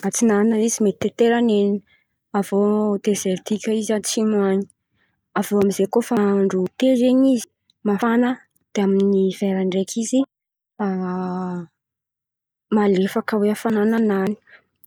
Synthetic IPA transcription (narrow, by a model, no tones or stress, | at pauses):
at͡sinanaizimet̪i̥t̪et̪eɾaneni | avod̪ezeɾt̪ikʲaizat͡simuaɲi̥ | avoamizekofaaɳɖ͡ʐut̪ezeɲizi̥ | mafanə | d̪̥eaminiveɾaɳɖ͡ʐekʰizi | a | malefakəweafanananani̥